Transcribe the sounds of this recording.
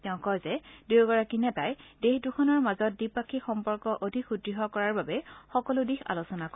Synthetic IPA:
tɛʊ̃kɔjzɛdeɡɔɹakinɛtajdexdukʰɔnɔɹmazɔt̚dipakʰːixɔmpɔɹkɔʔodʱikʰudɹiɦɔkɔɹaɹbabɛxɔkɔlʊdixʰa̰losɔnakɔ

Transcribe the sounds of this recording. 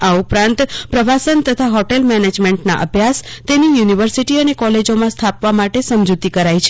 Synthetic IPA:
aupɾãnt̪pɾəʋasənt̪ət̪ʰaɦɔʈelmɛned͡ʒmeɳʈna̰ʔə̰bʱjast̪enijuniʋəɾsiʈiənekɔled͡ʒomãst̪ʰapʋamaʈesəmd͡ʒut̪ikəɾajt͡ʃʰe̥

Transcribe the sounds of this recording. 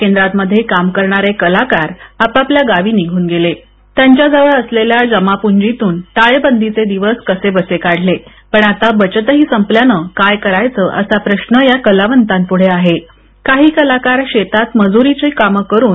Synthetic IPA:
kẽnd̪ɾat̪məd̪ʱːjekamkəɾɳaɾekəlakaɾapapljaɡaʋiːniɡʱuːnɡele | t̪jaɲt͡ɕjad͡zaʋəɭəsleljad͡zəmapuɲd͡ʑit̪uːnʈaɭebənd̪ʱit͡sed̪iʋəskəsebəsekaɽ̤le | pəɳat̪abət͡ɕt̪əɦiːsəmpljanəkajkəɾajt͡səʔə̰sapɾəɕnəjakəlaʋənt̪anpuɽ̤eaɦe | kaɦiːkəlakaɾɕet̪at̪məd͡zuɾit͡ɕekaməkəɾuːn

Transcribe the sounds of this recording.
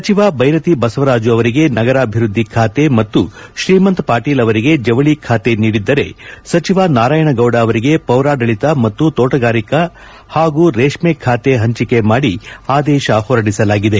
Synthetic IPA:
sɐt͡ʃiʋabʱɐjɾɐt̪ibɐsɐʋɐɾaːd͡ʒuɐʋɐɾiɡe̞nɐɡɐɾaːbʱiɾud̪ʱːikʰaːt̪e̞mɐt̪ːuʃɾiːmɐnt̪paːɾʈiːlɐʋɐɾiɡe̞d͡ʒɐʋɐɭikʰaːt̪e̞niːɽid̪ːɐɾe̞̰sɐt͡ʃiʋanaːɾaːjɐɳɐɡɐwɽaːʋɐɾiɡe̞pɐwɾaːɖɐɭit̪ɐmɐt̪ːut̪oːʈɐɡaːɾikɐ | haːɡuɾeːʂmekʰːaːt̪e̞ɦɐɲt͡ʃike̞maːɽiaːd̪ɛːʃɐhɔːɾɐɽisɐlaːɡid̪e̞

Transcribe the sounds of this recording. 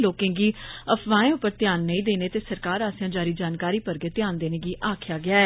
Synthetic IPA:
loːkẽːɡiːəpʰʋaːẽːʊpːəɾt̪ɪjaːnːəĩːd̪eːneːt̪eːsəɾkaːɾaːsjãːd͡ʒaːɾiːd͡ʒaːnkaːɾiːpəɾɡeːt̪jaːnd̪eːneːɡiːʔaːkʰjaːɡɪaːɛː

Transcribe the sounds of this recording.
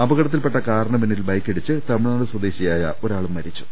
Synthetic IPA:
ɐbɐɣɐɽɐt̪̬ːilpe̞ʈːɐkaːɾɐɳɐmenːilbɐjkːeɽit͡ɕːɨt̪ɐmiɭaːnɨswɐd̪eːɕijaːjɐ̰o̞ɾaːɭumːɐɾit͡ɕːu̥

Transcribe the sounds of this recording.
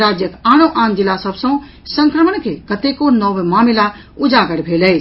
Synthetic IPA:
ɾad͡ʒjəkaɽ̃oʔãnd͡ʒilːasəbsə̃ | səŋkɾəməɳkekət̪ekonɔwmamila | ud͡ʒaɡəɽbʱelɛɪt͡ʃ

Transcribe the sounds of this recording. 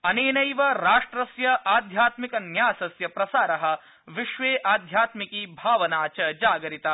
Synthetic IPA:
ɐneːnɐjʋɐɾaːʂʈɾɐsjɐʔaːd̪ʱjaːt̪mikɐnjaːsɐsjɐpɾɐsaːɾɐɦɐ̆ | ʋiʃʋeːʔaːd̪ʱjaːt̪mikiːbʱaːʋɐnaːt͡ʃɐd͡ʒaːɡɐɾit̪a

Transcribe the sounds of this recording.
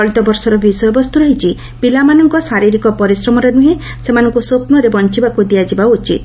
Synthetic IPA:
ɔɭit̪ɔbɔɾsɔɾɔbisɔjɔbɔst̪uɾɔɦit͡ʃʰi | b̥ilamanɔŋkɔsaɾiɾikɔpɔɾisɾɔmɔɾenuɦe | semanɔŋkusopnɔɾebɔnt͡ʃibakud̪iad͡ʒibaut͡ʃit̪̚

